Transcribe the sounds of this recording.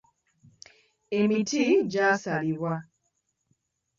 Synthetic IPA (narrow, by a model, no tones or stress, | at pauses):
emitiɟasaliβwa